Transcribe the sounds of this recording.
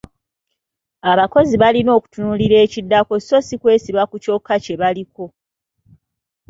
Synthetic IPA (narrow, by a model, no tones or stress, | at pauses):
aβako̞ziβalino̞ːku̥tunuliɾe̞ːcidːako̞si̥so̞sikwe̞ːsiβakuco̞kːace̞βaliko̞